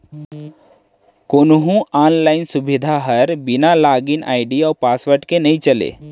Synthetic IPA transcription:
koːnɦũaːnlaːɪnsʊbɪd̪ʱaɦəɾbɪnalaːɡinʔa̰ːɪɖiɔːɾpaːsʋəɾʈkenɐĩt͡ʃɐlḛː

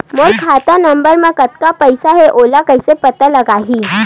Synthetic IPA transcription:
molkʰat̪anəmbəɾmakət̪̚kapəjsaɦeʔolakəjsepət̪ələɡaɦiː

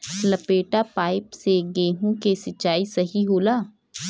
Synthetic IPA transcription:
ləpeːʈapaːɪpseɡeːɦõkesɐt͡ʃːaːisɐɦiɦoːlaː

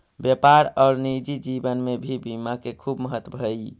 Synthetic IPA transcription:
bjepaɾaːɾnid͡ʒid͡ʒibənmebʱibimakekʰubməɦət̪wəbʱəj

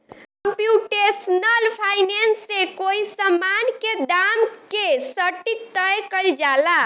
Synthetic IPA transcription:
kəmpjuʈesnəlpʰainensːekoisəmankeɖamkesəʈit̪əjkəld͡ʒala

